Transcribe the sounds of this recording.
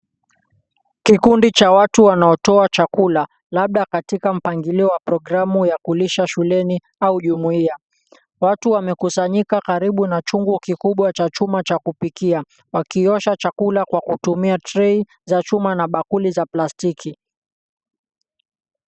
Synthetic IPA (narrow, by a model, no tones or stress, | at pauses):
kikundit͡ʃawatuwanaɔtɔat͡ʃakula | laɓ̚ɗakatikam̩paŋɡiliɔwapɾɔɡɾamujakuliʃaʃulɛni | auʄumuia | watuwamɛkusaɲikakaɾiɓunat͡ʃuŋɡukikuɓwat͡ʃat͡ʃumat͡ʃakupikia | wakiɔʃat͡ʃakulakwakutumiatɾɛi | zat͡ʃumanaɓakulizaplastikʰi